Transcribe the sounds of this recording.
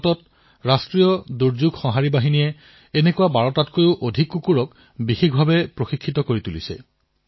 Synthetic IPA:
tɔt̚ | ɹastɹijɔduɹzuɡxɔɦaɹibaɦinijɛ | enekuabaɹɔtatkojʊʔodʱikːukuɹɔk | bixikʰbʱabɛpɹoxikʰːitɔkoɹitulḭsɛ̰

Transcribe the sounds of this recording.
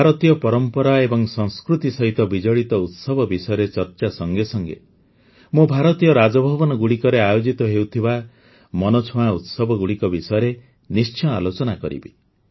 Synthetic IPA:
bʱaɾɔt̪ijɔpɔɾɔmpɔɾaebɔŋsɔ̃ŋskɾut̪isɔɦit̪ɔbid͡ʒɔɭit̪ɔut̪sɔbʱɔbisɔjɔɾet͡ʃɔɾt͡ʃasɔŋɡesɔŋɡḛ | mũbʱaɾɔt̪ijɔɾad͡ʒɔbʱɔbɔnɔɡuɽikɔɾeajod͡ʒit̪ɔɦewt̪ʰiba | mɔnot͡ʃʰõaut̪sɔbɔɡuɽikɔbisɔjɔɾe | nist͡ʃʰɔalot͡ʃɔnakɔɾḭbḭ

